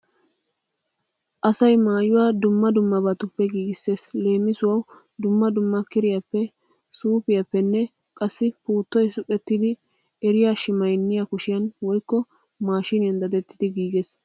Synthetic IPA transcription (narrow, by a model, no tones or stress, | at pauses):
ʔɐsɐjmaːjʊwaːd̪ʊmːɐd̪ʊmːɐbɐt̪ʊpːɛɡiːɡɪsːe̞ːsle̞ːmːɪsʊwɐw | d̪ʊmːɐd̪ʊmːɐkɪɾɪjɐpːɛ | suːpɪjɐpːɛnːɛ | kʼɐsːɪpuːt̪ːɔjsʊkʼɛt̪ːɪd̪ɪ | ɛɾɪjaːʃɪmɐjnːɪjakʊʃɪjɐnwɔjkːɔ | maːʃɪnɪjɐnd̪ɐd̪ɛt̪ːɪd̪ɪɡiːɡes